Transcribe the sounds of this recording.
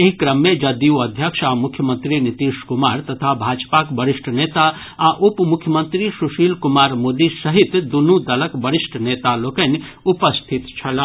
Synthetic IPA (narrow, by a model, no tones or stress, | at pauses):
eɦikɾəmːẽd͡ʒɐd̪iuəd̪ʱjəkʃamukʰjəmə̃nt̪ɾinit̪iskumaɾt̪ət̪ʰabʱad͡ʒpakbəɾisʈʰnet̪a | aʔupmukʰjəmənt̪ɾisuʃiːlkumaːɾmod̪isəɦit̪d̪unud̪ələkbəɾisʈʰənet̪alokən | upəst̪ʰit̪t͡ʃʰɐl